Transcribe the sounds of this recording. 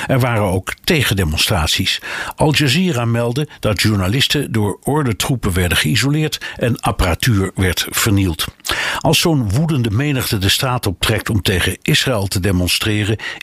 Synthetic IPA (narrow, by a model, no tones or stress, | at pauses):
ɛɹʋaːrəowktejχəndemɔnstraːtsisʔɑlˠd͡ʒaziːramɛlˠdəd̥ɑtʃuɹnalɪstədʊːɹɔɹdətrupəʋɛɹdəχəizolɪːɹtɛnaparatyːɹʋɛɹtfəɹnilˠtʔɑlˠsownʋudəndəmejnəχtədəstaːtɔp̚trɛk̚tɔmtejχəʔɪsraɛlˠtədemɔnstrɪːrə